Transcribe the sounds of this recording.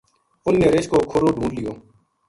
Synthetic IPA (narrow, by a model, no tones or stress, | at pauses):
ʊnːeːɾeːʃkoːkʰʊɾoːɖʱũːnlɪjoː